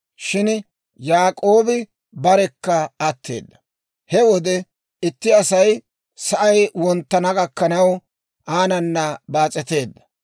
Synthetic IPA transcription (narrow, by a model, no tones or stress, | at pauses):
ʃɪn | jaːkʼo̞ːbɪ | bɐɾɛkːɐːt̪ʰːe̞̰ːd̪ːɐ | hɛwɔd̪ɛ | ɪt̪ːɪɐsɐj | sɐʔɐjwɔnt̪ːɐnɐɡɐkːɐnɐw | ʔaːnɐnːɐbaːt͡sʼɛt̪e̞ːd̪ːɐ̥